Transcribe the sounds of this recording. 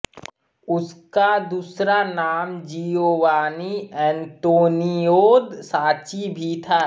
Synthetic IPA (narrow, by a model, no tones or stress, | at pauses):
ʊskad̪uːsɾanaːmd͡ʒioːʋaːniɛ̃nt̪oːnijoːd̪saːt͡ʃibʱit̪ʰaː